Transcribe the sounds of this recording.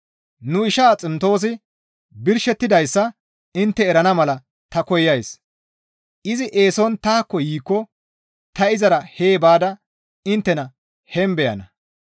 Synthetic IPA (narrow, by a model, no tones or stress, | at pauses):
nʊɪʃaːt͡sʼɪmt̪o̞ːs̬ɪ | bɪɾʃɛt̪ːɪd̪ɐjsːɐ | ɪnt̪ːɛːɾɐnɐmɐlɐ | t̪ɐkɔjːɐjs | ʔɪzɪʔe̞ːsɔnt̪aːkːɔjiːkːɔ | t̪ɐɪzɐɾɐheːbaːd̪ɐ | ɪnt̪ːɛnɐ | hɛmbɛjɐ̰nɐ